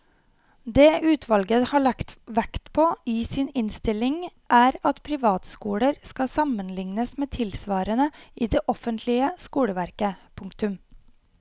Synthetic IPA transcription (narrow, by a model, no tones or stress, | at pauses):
d̪eːʔʉːt̪ʰʋɑlɡəhɑːɭɑkt̪ʋækt̪pʰoːiːsiːnɪnst̪ɪlɪŋʔæːɾɑt̪pʰɾɪʋɑːt̪skuːɽəɾskɑsɑmənlɪŋnəsmeːt̪ʰɪlsʋɑːɾənəʔiːd̪eːʔɔfənt̪ʰlɪəskuːɽəʋæɾkəpʰʊŋkt̪ʉm